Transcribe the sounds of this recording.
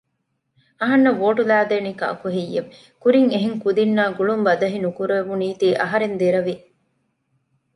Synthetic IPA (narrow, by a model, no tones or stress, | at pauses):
ɐɦɐnːɐʋoːʈulæːd̪eːnikɐ̰kuɦijːeʋ | kuɾiŋeɦeŋkud̪inːaːɡuɭumbɐd̪ɐɦinukuɾeʋuniːt̪iːʔɐ̰ɦɐɾend̪iɾɐʋi